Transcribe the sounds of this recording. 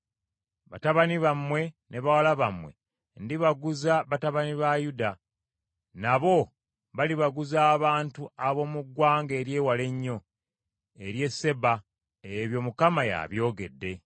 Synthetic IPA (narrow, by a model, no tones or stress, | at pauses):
βataβaniβamwe̞ | ne̞βawalaβamwe̞̰ | ndiβaɡuzaβataβaniβajuda | naβo̞ | βaliβaɡuzaːβaːntuaβo̞muɡwaːŋɡe̞ːɾje̞ːwale̞ɲːo̞ | e̞ɾje̞sːe̞ba | eβjo̞mukamaja̰βjo̞ːɡe̞̰dːe̞